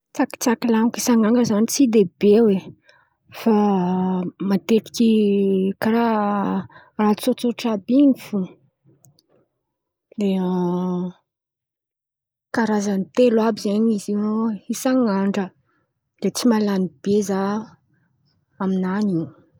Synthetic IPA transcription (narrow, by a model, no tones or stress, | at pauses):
t͡saki̥t͡sakilaŋkisaŋaŋɡəzanit͡sid̪ebewe | fa | mat̪eɾi̥kʲikaɾa | rat͡sot͡soʈ͡ʂabiɲifu | leə | kaɾazanit̪elabizaɲizinoisaŋaɳɖ͡ʐə | d̪et͡simalanib̥eza | aminaniɲ